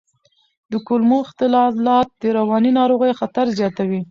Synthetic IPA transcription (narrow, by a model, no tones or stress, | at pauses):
d̪əkʊlmoɪxt̪ɪlɑlɑt̪̚d̪̥əɾawɑninɑɾoɣəjxat̪aɾzjɑt̪awi